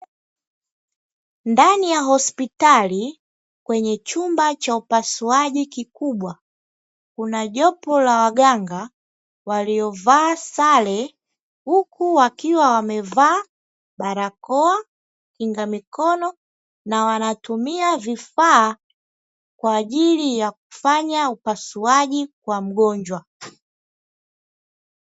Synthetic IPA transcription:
ndanijaɦɔspitali | kwɛɲɛt͡ʃumbat͡ʃaupasuaʄikikuɓwa | kunaʄɔpɔlawaɡaŋɡa | waliɔvaːsalɛ | hukuwakiwawamɛvaː | ɓaɾakɔa | kiŋɡamikɔnɔ | nawanatumiavifaː | kwaːɟilijak̚u̥faɲaupasuaʄikwam̩ɡɔɲd͡ʒwa

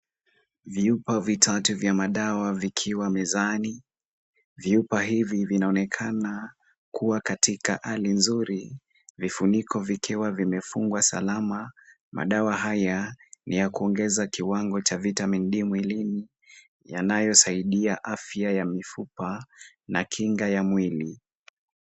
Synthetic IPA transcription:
viupavitʰatuvjamaɗawavikʰiwamɛzani | viupaɦivivinaɔnɛkʰana | kuwakatʰikaʔalinzuɾi | vifunikʰɔvikʰiwavimɛfuŋɡwasa̰lama | mʔa̰ɗawaɦajanijakuɔŋɡɛzakiwaŋɡɔt͡ʃavitamin̩ɗimwilini | ja̰najɔsaiɗiaʔafjajamifupa | nakʰiŋɡajamwili

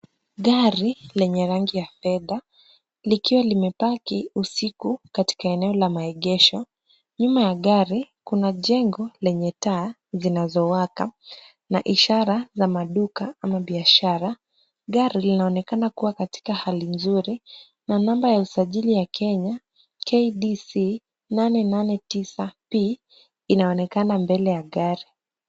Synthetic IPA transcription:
ɠaɾilɛɲɛɾaŋɡijafɛða | likiwalimɛpakiusikukati̥kaɛnɛɔlamaɛɠɛʃɔ | ɲumajaɠaɾikunaʄɛŋɡɔlɛɲɛtaː | zinazɔwaka̰ | naʔiʃaɾazamaɗukaamaɓiaʃaɾa | ɠaɾilinaɔnɛkanakuwakati̥kahalinzuɾi | nanambajausaʄilijakʰɛɲa | kʰeiɗisi | nanɛnanɛtisapiː | naɔnɛkanambɛlɛjaɠaɾi

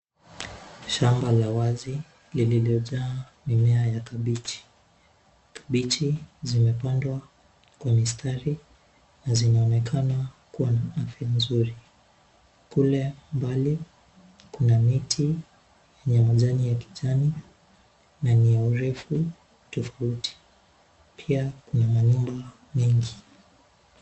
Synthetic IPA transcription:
ʃambalawazi | lililiɔʄaː | mimɛajakaɓit͡ʃi̥ | kḁɓit͡ʃizimɛpandwa | kwamistʰaɾi | nazinaɔnɛkʰanakuwanaafimzuɾi | kulɛmbali | kunamitʰi | jɛɲɛmaʄanijaki̥ʄani | nanijauɾɛfu | tɔfautʰi̥ | pʰiakunamaɲumba | mɛŋɡi

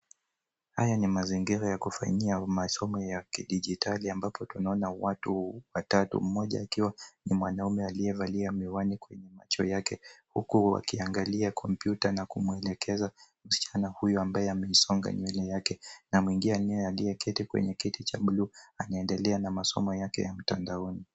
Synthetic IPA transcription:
hajanimaziŋɡiɾajakufa̰ɲiamasɔmɔjakiɗiʄitʰaliambapʰɔtunaɔnawatuwatatṵm̩mɔʄa̰ːkiwanimwanaumɛalijɛvaliamiwanikwɛɲɛma̰t͡ʃɔjakɛhukuwa̰kiaŋɡaliakʰɔmpjutanakumuɛlɛkʰɛza | m̩si̥t͡ʃanahujɔambajɛamɛisɔŋɡa̰ɲwɛlɛjakɛnamwiŋɡianɛɛalijɛkitikwɛ̰ɲɛkitit͡ʃaɓluanaɛndɛlɛanamasɔ̰mɔjakɛ̰jam̩tandaɔni

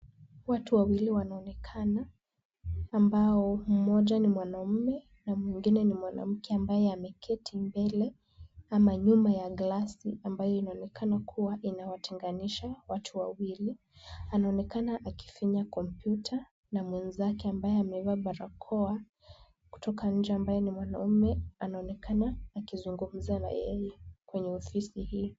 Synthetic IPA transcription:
watuwawiliwanaɔnɛkʰanaː | mbaɔm̩mɔʄanimwanam̩mɛ | namwiŋɡinɛnimwana̰m̩kʰɛambajɛamɛkʰɛtʰimbɛlɛ | amaɲumajaɡlasiambajɔinaɔnɛkʰanakʰuwaʔinawatʰɛŋɡaniʃawatʰuwawili | anaɔnɛkanaʔaki̥faɲakɔmpjutʰa | namwɛnzakɛambajɛamɛvaɓaɾakʰɔa | ku̥tɔkaɲ̩d͡ʒɛambajɛnimwanaumɛanaɔnɛkʰanaːkizuŋɡum̩zana̰jɛjɛkwɛɲɛɔfisihiɔ

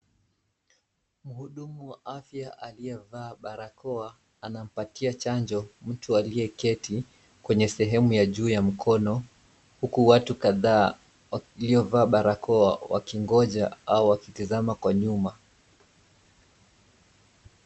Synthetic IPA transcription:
m̩huɗumuwaʔafjaʔaliɛvaːɓaɾakɔa | anam̩patiat͡ʃand͡ʒɔm̩tualiɛkɛti | kwɛɲɛsɛɦɛmujaʄuːjam̩kʰɔnɔ | hukuwatukaðaː | aliɔvaːɓaɾakɔawa̰kiŋɡɔʄa̰auwakitizamakwaɲuma

